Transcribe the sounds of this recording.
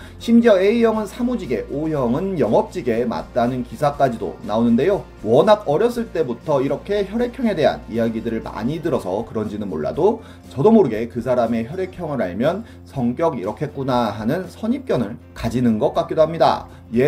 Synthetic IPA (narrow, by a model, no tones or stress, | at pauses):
ɕʰimd͡ʑjʌe̞ijʌŋɯnsʰamud͡ʑiɡe̞ʔojʌŋɯnjʌŋʌp̚t͡ɕ͈iɡe̞ma̰t̚t͈anɯnkisʰak͈ad͡ʑido̰naonɯnde̞jo | wʌnaɡʌɾjʌs͈ɯɭt͈e̞butʰʌiɾʌkʰe̞çjʌɾe̞kʰjʌŋe̞de̞ɦa̰nijaɡidɯɾɯɭma̰ɲidɯɾʌsʰʌkɯɾʌnd͡ʑinɯnmoɭːa̰do | t͡ɕʌdomoɾɯɡe̞kɯsʰaɾame̞çjʌɾe̞kʰjʌŋɯɾa̰ɭmjʌn | sʰʌŋk͈jʌɡiɾʌkʰe̞k͈unaɦanɯnsʰʌɲip̚k͈jʌnɯɭ | kad͡ʑinɯnɡʌk̚k͈ak͈edoɦamɲida̰ | je